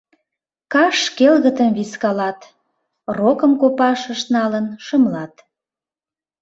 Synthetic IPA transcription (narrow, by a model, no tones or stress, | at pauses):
kɑʃkelɣət̪əmβiskɑlɑt̪ | rokəmkopɑʃəʃnɑlənʃəmlɑt̪